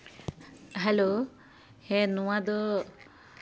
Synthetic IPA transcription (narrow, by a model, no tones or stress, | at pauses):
ɦɛlo | hɛnuwad̪ɔ